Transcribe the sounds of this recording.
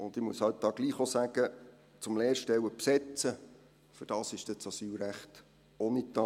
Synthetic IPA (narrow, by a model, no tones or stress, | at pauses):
ʊnd̥̪ɪmuəshœt̚d̥ɑːɡ̥liːχosæɡ̥ə | t͡sʊmleːrʃtɛwəpsɛt͡sə | fʏɾd̥ɑːsɪʃd̥ɛt͡sɑsyːlɾæχt | oːnit̪ɑ